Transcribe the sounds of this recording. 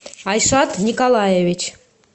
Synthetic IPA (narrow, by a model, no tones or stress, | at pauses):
ɑjʃɑt̪nʲikolˠɑjevʲit͡ʃʰ